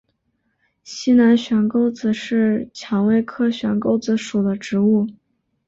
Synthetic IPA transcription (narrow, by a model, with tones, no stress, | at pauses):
ɕi˥na˧˥nɕɥɛ˧˥nko˥˧ʊd͡zɹ̩˨˩ʂɻ̩˥˩t͡ɕʰjɑ˧˥ŋwe˥˧ɪkʰɤ˥ɕɥɛ˧˥nko˥˧ʊt͡sɹ̩˧˥ʂu˨˩d̪ə˦ʈ͡ʂɻ̩˧˥u˥˩